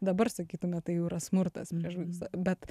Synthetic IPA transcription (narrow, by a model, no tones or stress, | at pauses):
d̪ɐbɐrsɐkʲiːt̪ʊmʲɛt̪ɐɪjʊiɾɐsmʊrt̪ɐ̰spʲiɛʃʲɪsɐbʲɛt̪